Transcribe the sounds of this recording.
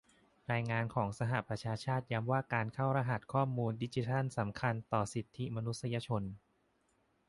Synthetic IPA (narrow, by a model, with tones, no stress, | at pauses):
ɾaː˧jŋaː˧nkʰɔː˩˦ŋsa˧ɦa˨˩pɾa˧t͡ɕʰaː˧t͡ɕʰaː˥˩t̪̚ja˧˥mwaː˥˩kaː˧nkʰa˥˩wɾa˧ɦa˨˩t̪̚kʰɔː˥˩muː˧ndi˦˥t͡ɕi˧˦˥t̪ʰa˥˩nsa˩˦mkʰa˧nt̪ɔː˨˩si˨˩t̪ʰːi˦˥ma˧nu˦t̪̚sa˧jaː˧t͡ɕʰo˧n